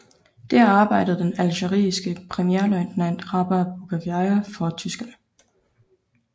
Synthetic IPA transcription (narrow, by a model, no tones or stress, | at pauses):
d̥æɐɑ̈ːb̥ɑ̈ɪ̰d̥ð̞̩ˠd̥enælɕəʁḭːsɡ̥əpʰʁɛmieɐlɒɪnnæn̰d̥ʁɑb̥æb̥oɡ̥ʰæʋiɑɪɐfɒt͡sʰysɡ̥ɐnə